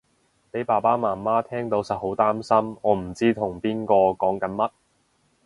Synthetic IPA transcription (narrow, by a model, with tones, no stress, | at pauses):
pe˨˥jpaː˨˩paː˥maː˨˩nmaː˥t̪ʰɛː˥ŋt̪o˨˥wsɐ˨t̚ho˨˥wt̪aː˥msɐ˥mɔː˨˧m̩˨˩t͡siː˥t̪ʰʊ˨˩ŋpiː˥nkɔː˧kɔː˨˥ŋkɐ˨˥nmɐ˥t̚